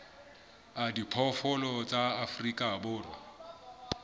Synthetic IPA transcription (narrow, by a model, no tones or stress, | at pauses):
adipʰɔfɔlɔt͡sʼaːfrikʼabʊːrwa̰